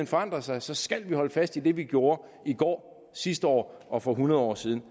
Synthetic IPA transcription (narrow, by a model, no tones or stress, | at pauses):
enfɒ̽ɑ̈n̰d̥ʁɐsɑ̈ɪsɒ̽sɡ̥ælʋihɒ̽ləfæsd̥id̥e̝ʋiɡ̥jo̝ːɐ | iɡ̥ɒ̰ː | sisd̥əɒ̰ː | ʔɒ̽fɒ̽ɦunɐð̞ˠɒ̰ːsiːð̞ˠn̩